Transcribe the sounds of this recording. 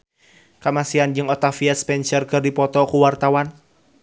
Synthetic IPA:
kamasiand͡ʒɨŋɔt̪afiaspɛnsərkɨrdipɔt̪ɔkuwart̪awan

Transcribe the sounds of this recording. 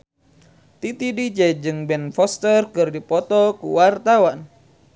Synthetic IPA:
t̪it̪idid͡ʒɛd͡ʒɨŋbɛnfɔst̪ərkɨrdipɔt̪ɔkṵwart̪awan

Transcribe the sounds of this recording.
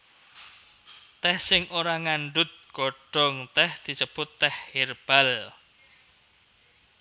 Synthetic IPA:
t̪ɛhsɪŋʔoɾaŋaɳɖʊt̪̚ɡ̥oɖ̥ɔ̤ŋt̪ɛhd̪̥i̤səb̥ʊt̪ːɛherb̥al

